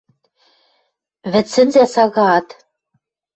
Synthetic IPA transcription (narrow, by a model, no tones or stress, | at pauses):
βɘ̆t͡sːɘ̆nzæsɑɣɑt̪